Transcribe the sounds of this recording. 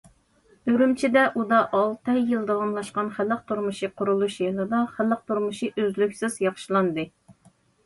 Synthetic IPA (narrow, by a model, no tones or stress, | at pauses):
øɾymt͡ʃʰid̪ɛʔud̪ɑʔɑlˠt̪ʰɑjːɨlˠd̪ɑwɑmlˠɑʃqɑnχælːəq̚t̪ʰuɾmuʃiqʰʊɾulˠuʃjɨlˠɨd̪ɑχælːəq̚t̪ʰuɾmuʃiʔøzlykʲsɪz̥jɑχʃɨlˠɑnd̪ɨ